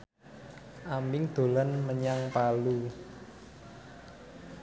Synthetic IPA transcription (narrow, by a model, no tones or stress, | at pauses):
ʔambɪŋd̪̥o̤lanməɲaŋpalu